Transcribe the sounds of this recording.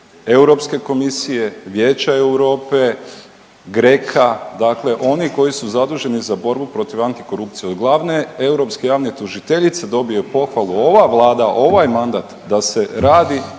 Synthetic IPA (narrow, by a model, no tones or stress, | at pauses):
e̞wɾo̞pske̞ko̞misije̞ʋjeːt͡ʃaewɾo̞ːpe̞ | ɡɾe̞kʰad̪akle̞ʔo̞niko̞jisuzad̪uːʒe̞nizabo̞ɾbupɾo̞t̪iʋant̪i̥ko̞ɾupt̪sijeod̪ɡlˠaʋne̞e̞wɾo̞pskejaːʋnet̪uʒit̪eʎit̪sed̪o̞bijepo̞xʋalˠuo̞ʋaʋlˠaːd̪aʔo̞ʋajmand̪at̪d̪ase̞ɾaːd̪i